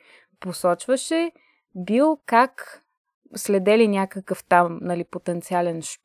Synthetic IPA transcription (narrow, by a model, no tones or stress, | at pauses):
posɔt͡ʃvəʃɛ | bilˠkak | slɛd̪ɛlinʲakəkəft̪amnɐlipot̪ɛnt̪sialɛnʃ